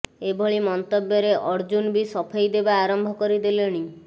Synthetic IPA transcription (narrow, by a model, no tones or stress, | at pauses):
ebʱɔɭimɔnt̪objɔɾeʔɔɾd͡ʒunbisɔpʰajd̪ebaːɾɔmbʱɔkɔɾid̪ileɽ̃i